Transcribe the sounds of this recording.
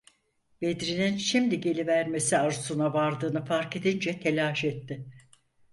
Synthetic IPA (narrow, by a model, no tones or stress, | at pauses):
bed̪ɾininʃimd̪iɟe̞lʲivæɾme̞siaɾusunavaɾd̪ɯːnɯfaɾke̞d̪ind͡ʒɛt̪ʰelʲaːʃɛt̪ːɪ